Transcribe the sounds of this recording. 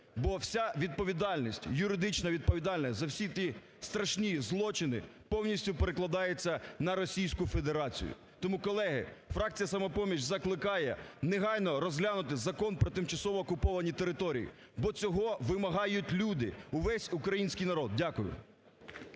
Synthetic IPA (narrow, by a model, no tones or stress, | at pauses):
bɔwsʲaʋʲid̪̚pɔʋʲid̪ɑlʲnʲisʲtʲjʊɾɪd̪ɪt͡ʃnɐʋʲid̪̚pɔʋʲid̪ɑlʲnʲisʲzɐwsʲit̪ʲi | st̪ɾɐʃnʲizlˠɔt͡ʃɪnɪ̰pɔwnʲisʲtʲʊpeɾeklˠɐd̪ɑjet͡sʲːɐnɐɾɔsʲijsʲkʊfe̞d̪eɾɑt͡sʲḭjʊ̰ | t̪ɔmukɔlˠɛɦɪ̰fɾɑk̚t͡sʲijɐsɐmɐpɔmʲiʃzɐklˠɪkɑjɛneɦɑjnɔɾɔzɦlʲanʊt̪ɪzɐkɔnpɾɔt̪ɪmt͡ʃɐsɔʋɔːkʊpɔʋɐnʲit̪e̞ɾɪt̪ɔɾʲḭjḭ | bɔt͡sʲɔɦɔʋɪmɐɦɑjʊtʲlʲud̪ɪ̰ʊʋɛsʲʊkɾɐjinʲsʲkijnɐɾɔd̪̚dʲakʊjʊ̰